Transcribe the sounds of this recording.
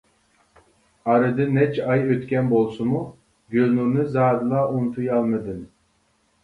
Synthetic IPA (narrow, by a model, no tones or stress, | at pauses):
ɑɾɨd̪ɨnɛt͡ʃʰɑjøt̪kʲʰɛnbolˠsumu | ɡʲølnunɨzɑːd̪ɨlˠɑʔunt̪ʰujɑlˠmɨd̪ɨn